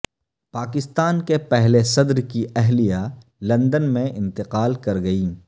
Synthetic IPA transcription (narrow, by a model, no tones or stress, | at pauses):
paːkɪst̪aːnkepɛɦlesɐd̪ɾkiʔɛɦlijalɐ̃nd̪ənmẽʔɪ̰̃nt̪ɪqaːlkɐɾɡɐiː